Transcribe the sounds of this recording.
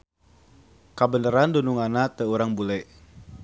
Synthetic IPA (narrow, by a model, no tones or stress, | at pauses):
kabənəɾandonuŋanat̪əuɾaŋbulɛʔ